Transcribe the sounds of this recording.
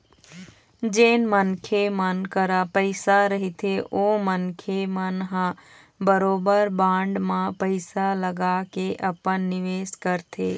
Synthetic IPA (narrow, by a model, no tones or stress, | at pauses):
d͡ʒeːnmənkʰemənkəɾapəɪsaɾəɦit̪ʰeʔomənkʰemənɦã | bəɾoːbəɾbãːɳɖmãpəɪsaləɡakeʔəpənːɪʋeːskəɾt̪ʰe